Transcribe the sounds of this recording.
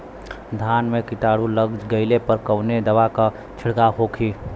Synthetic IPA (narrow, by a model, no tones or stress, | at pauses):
d̪ʱaːnmẽkɪt̪aːɽulɐɡd͡ʒɡɐɪlepəɾkɐʊned̪ɐʋaka | t͡ʃʰɪɽkaɦoːkʰiː